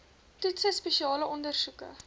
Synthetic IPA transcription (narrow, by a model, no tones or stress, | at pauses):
tutsəjspeʃiɑːləʔɔndərsukə̰